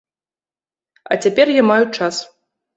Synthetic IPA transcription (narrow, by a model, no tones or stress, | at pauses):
ɐ̰t͡sʲapʲɛrjamajut͡ʂas